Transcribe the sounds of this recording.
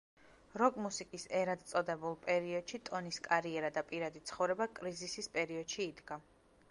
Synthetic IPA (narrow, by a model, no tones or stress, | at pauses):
ɾɔkʼmusikʼisɛɾad̪t̪sʼɔd̪ɛbulˠpʼɛɾiɔd̪̥ʃit̪ʼɔniskʼaɾiɛɾad̪apʼiɾad̪it̪sʰχɔvɾɛbakʼɾizisispʼɛɾiɔd̪̥ʃiːd̪ɡa